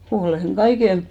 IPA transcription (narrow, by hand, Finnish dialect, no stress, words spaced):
h̆oleˑŋ ɡ̊ɑiken